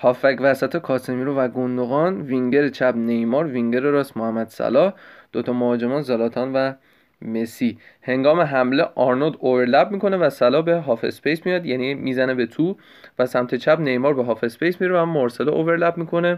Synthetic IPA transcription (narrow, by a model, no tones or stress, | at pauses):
hɒːfækvæsæt̪ʰekʰɒːsemiɾovæɡond̪oɣɒːnviŋɟeɾet͡ʃʰæbne̞jmɒːɾviŋɟeɾeɾɒːsmohæmːæd̪̥sæ̰lɒːhd̪̥ot̪ʰɒmohɒːd͡ʒemɒːnzælɒːt̪ʰɒːnvæ | me̞sihe̞ŋɡɒːme̞ɦæmleʔɒːɾnod̪ove̞ɾlæb̚miːko̞nevæsælɒːbe̞ɦɒːfḛspʰejsmijɒːd̪jænimiːzænebe̞t̪ʰu | væsæmt̪ʰe̞t͡ʃʰæbne̞jmɒːɾbeɦɒːfespʰejsmiɾevæmːoɾseleʔoveɾlæbmikʰo̞ne̞